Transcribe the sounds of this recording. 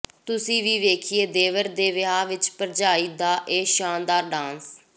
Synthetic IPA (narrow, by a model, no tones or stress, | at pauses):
t̪ʊsĩːʋiːʋeːkʰijeːd̪eːʋəɾd̪eːʋɪɦaːʋɪt͡ʃpəɾd͡ʒaːiːd̪aːʔeːʃaːnd̪aːɾɖãːns